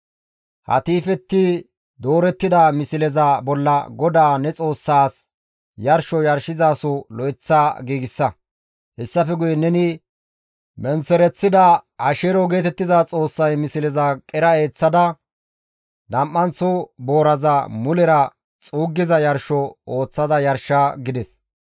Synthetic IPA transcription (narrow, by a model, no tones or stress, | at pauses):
hɐ̰t̪iːfɛt̪ːɪ | d̪o̞ːɾɛt̪ːɪd̪ɐmɪsɪlɛzɐbɔlːɐɡɔd̪aːnɛt͡sʼo̞ːsːaːs | jɐɾʃɔjɐɾʃɪzaːsɔlɔɪt͡sːaːɡiːɡɪsːɐ | hɛsːɐfɛɡʊjɛnɛnɪ | mɛnsɛɾɛt͡sːɪd̪ɐɐʃeɾɔɡe̞ːt̪ɛt̪ːɪzat͡sʼo̞ːsːɐjmɪsɪlɛzɐkʼɛɾɐe̞ːt͡sːɐd̪ɐ | d̪ɐmʔːɐnt͡sːɔbo̞ːɾɐzɐmʊlɛɾɐ | t͡sʼuːɡːɪzɐjɐɾʃɔo̞ːt͡sːɐd̪ɐjɐɾʃːɐɡɪd̪ɛs